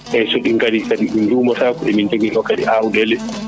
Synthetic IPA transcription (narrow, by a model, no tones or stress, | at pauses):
ʔɛsoɗiŋkadisaɗiɗindumɔtakuʔɛminteɡɛɗɔkaɗḭʔawudɛlɛ